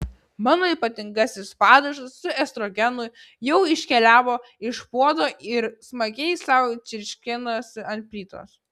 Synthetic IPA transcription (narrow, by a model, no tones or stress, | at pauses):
mɑːnoːiːˑpɐt̪ʲɪŋɡɑsʲɪspɑːd̪ɐʒɐsːʊɛst̪ɾoːɡʲɛnʊj | jɛʊɪʃʲkʲɛlʲæːʋoː | ɪʃpuɔd̪oːɪɾsmɐɡʲɛɪsɑʊt͡ʃʲɪɾʲʃʲkʲɪnosɐnʲt̪̚ʲpʲlʲiːt̪o̰ːs